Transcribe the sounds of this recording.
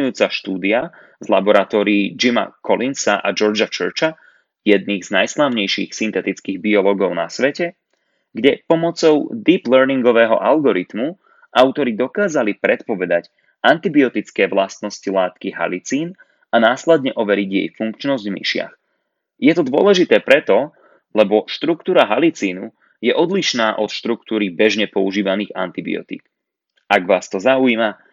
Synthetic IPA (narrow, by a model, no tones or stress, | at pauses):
ujuːt͡saʃt̪uːd̪ia | zla̰bɔɾat̪ɔːɾiːd͡ʒima̰kʰɔlinsaʔa̰d͡ʒɔɾd͡ʒat͡ʃə̰ɾt͡ʃa | jɛd̪̚niɣznajslaʊɲɛjʃiːxsint̪ɛt̪it͡skiːɣbiɔlɔːɡɔʊna̰sʋɛcɛ | ɡɟɛpɔmɔt͡sɔʊd̪iːplɛɾniŋɡɔʋɛːɦɔ̰ʔalɡɔɾit̪mu | ʔaʊt̪ɔɾid̪ɔkaːzalipɾɛt̪pɔʋɛd̪ac | ʔant̪ibiɔt̪it͡skɛːʋlast̪nɔscilaːt̪kiɦa̰lit͡siːn | anaːslɛd̪ɲɛʔɔʋɛɾiɟjɛ̰jfuŋkt͡ʃnɔzɟmḭʃɪa̰x | jɛt̪ɔd̪ʊɔ̰lɛʒit̪ɛːpɾɛt̪ɔ | lɛbɔʃt̪ɾukt̪uːɾaɦalit͡siːnu | jɛʔɔd̪liʃnaːʔɔt̪ʃt̪ɾukt̪uːɾibɛʒɲɛpɔuʒiːʋaniːɣa̰nt̪ibḭɔ̰t̪ḭːk | aɡʋaːst̪ɔzauima